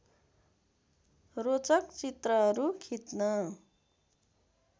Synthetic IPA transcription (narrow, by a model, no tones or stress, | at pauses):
rot͡sʌkt͡sit̪rʌɦʌɾukʰit̪nʌ